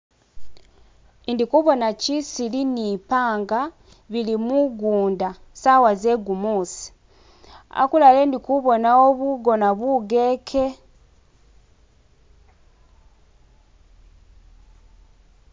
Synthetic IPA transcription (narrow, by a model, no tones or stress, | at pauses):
indikuβo̞nacisilinipaːŋɡa | βilimuɡuːndasawazeɡumuːsi̥ | a̰kulale̞ndikuβo̞naoβuɡo̞naβuɡeːkʰe̞